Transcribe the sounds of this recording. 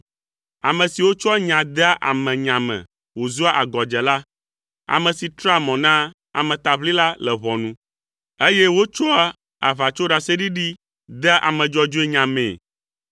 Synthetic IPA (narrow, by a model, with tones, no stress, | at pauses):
a˨mɛ̃˨si˨wo˦t͡ʃɔ˦a˦ɲã˨d̪ɛ˦a˦ʔa̰˨mɛ̃˨ɲã˨mɛ̰̃˨ | wo˨zu˦a˦ʔa˨ɡɔ˨d͡ʒɛ˨la˦ | a̰˨mɛ̃˨si˨t̪ɾa˦mɔ̃˨nã˦ | a̰˨mɛ̃˨t̪a˨βli˦la˦lɛ˨βɔ˨nũ˦ | e˦jɛ˦wo˦t͡ʃɔ˦a˦ | a̰˨βa˨t͡ʃo˦ɖa˨se˦ɖi˦ɖi˦ | d̪ɛ˦ʔa̰˨mɛ̃˨d͡ʒɔ˨d͡ʒo˦e˦ɲã˨mḛ̃˨